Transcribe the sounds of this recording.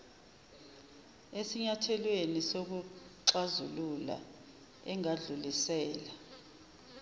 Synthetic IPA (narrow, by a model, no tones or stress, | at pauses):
esiɲatʰɛlwenisok̬uǀazulula̰ | ɛŋaɮulisɛːla